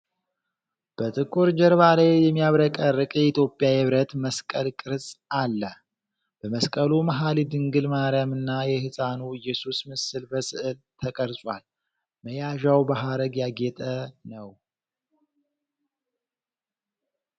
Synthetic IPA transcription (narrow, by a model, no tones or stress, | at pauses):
b̥ət̪ʰʼɨkʼuɾd͡ʒɛɾβalajjɛmːijaβɾəkʼəɾɨkʼjɛit̪ʰjo̞pʼːjajɨβɾət̪məskʼəlkʼɨɾsʼalːə | b̥əməskʼəlumaɦalid̪ɨŋɡɨlmaɾjamɨnːajɛhɨsʼanuɪjːɛsusmɨsɨlbəsɨʔɨlt̪ʰəkʼəɾsʼwa̰l | məjaʒawbaɦaɾəɡjaɡɛt̪ʼənəw